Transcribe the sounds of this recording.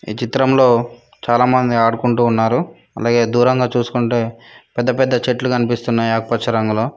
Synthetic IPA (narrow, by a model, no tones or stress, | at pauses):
ḭːt͡ʃit̪ɾɐmlo̞ː | t͡ʃaːlaːmɐnd̪iaːɽukuɳʈuːnːaːɾu | ɐ̰laːɡe̞ːd̪uːɾɐŋɡaːt͡ʃuːsu̥kuɳʈe̞ːpɛd̪ːɐpɛd̪ːɐt͡ʃeʈlukɐnipist̪unːaːjiakɐpɐt͡ʃɐɾɐŋɡuloː